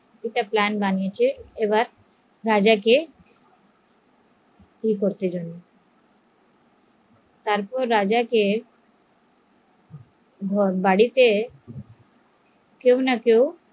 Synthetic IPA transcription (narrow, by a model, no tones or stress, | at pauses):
iʈaplɛnbanijet͡ɕʰeebaɾ | ɾad͡ʑake | kikoɾt̪ed͡ʑonːe | t̪aɾpɔɾːad͡ʑake | bʱbaɽit̪e | kewnakew